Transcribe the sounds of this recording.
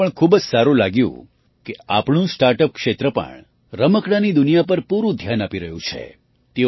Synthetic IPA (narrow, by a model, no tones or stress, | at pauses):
əɳkʰubəd͡ʒsaɾũlaɡjṵ̃ | keapɳũsʈaɾʈəp̚kʃet̪ɾəpə̰ɳ | ɾəməkɽanid̪ʊnijapəɾpuɾũd̪ʱjanapiɾəɦjṵ̃t͡ʃʰḛ | t̪e